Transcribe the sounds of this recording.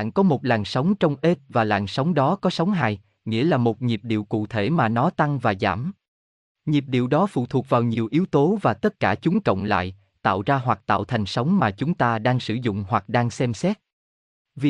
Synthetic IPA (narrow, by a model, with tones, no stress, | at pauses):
nkɔ˨˦mo˨˩t̚laː˨˩nsə˨˦wŋ͡mt͡ɕɔ˧wŋ͡mʔe˦˥t̚vaː˨˩laː˨˩nsə˨˦wŋ͡mɗɔ˨˦kɔ˨˦sə˨˦wŋ͡mɦaː˧˨j | ŋḭ˧˥əlaː˨˩mo˨˩t̚ɲi˨˩p̚ɗḭ˧˨əwkṵ˧˨t̪ʰe˧˩maː˨˩nɔ˨˦t̪a˧ŋvaː˨˩za̰ː˧˩m | ɲi˨˩p̚ɗḭ˧˨əwɗɔ˨˦fṵ˧˨t̪ʰu˨˩ək̚vaː˨˩wɲi˨˩əwʔi˨˦əwt̪o˨˦vaː˨˩t̪ə˦˥t̚kaː˧˩t͡ɕʊ˨˦ŋ͡mkə̰˧˨wŋ͡mla̰ː˧˨j | t̪a̰ː˧˨wzaː˧ɦwa˨˩k̚t̪a̰ː˧˨wt̪ʰa˨˩jŋ̟sə˨˦wŋ͡mmaː˨˩t͡ɕʊ˨˦ŋ͡mt̪aː˧ɗaː˧ŋsɨ˧˩zʊ̰˧˨ŋ͡mhwa˨˩k̚ɗaː˧ŋsɛ˧msɛ˦˥t̚ | vi˨˩